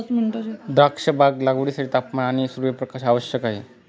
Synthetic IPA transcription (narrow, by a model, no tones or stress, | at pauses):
sminʈd̪ɾakʂəbʱaɡlaɡʋɭisaʈit̪apmaaɽ̃isuɾuʋjepɾəkaɕaʋəɕjəkaɦe